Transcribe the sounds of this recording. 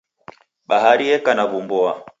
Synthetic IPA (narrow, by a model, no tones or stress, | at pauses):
ɓaɦaɾiɛkanaβumbɔa